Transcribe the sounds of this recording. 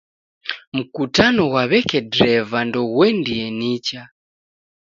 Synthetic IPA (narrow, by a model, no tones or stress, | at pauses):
m̩kutanɔwaβɛkɛdɾɛvandɔɣwɛndiɛnit͡ʃa